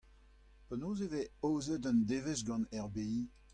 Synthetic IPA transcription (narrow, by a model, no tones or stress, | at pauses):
pənoːzeveoːzədəndeːvezɡɑ̃nɛʁbei